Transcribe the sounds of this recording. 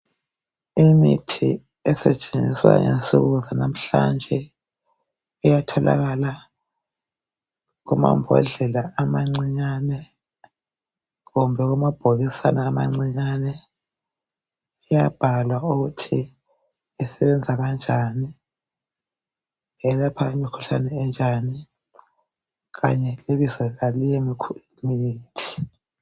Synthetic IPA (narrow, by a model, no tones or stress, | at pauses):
imitʰi | ɛsɛt͡ʃʼeniswa̰ŋḛsuɣuzanam̩ɬa̰nd͡ʒʱɛ | ijatʰɔla̰ɣala | ɣuma̰mbʱɔ̰ɮɛlaːmaŋ͡ǀiɲanɛ | ɣumbʱɛɣumab̥ʱoɣisanaːma̰ŋ͡ǀiɲanɛ | ijab̥ʱalwauɣutʰi | ɛsɛβɛnd͡zʱaɣand͡ʒʱani | ɛlapʰaimikʰu̥ɬanɛɛnd͡ʒʱani | ɣa̰ɲɛleβizɔlalijemikʰu | miːtʰi̥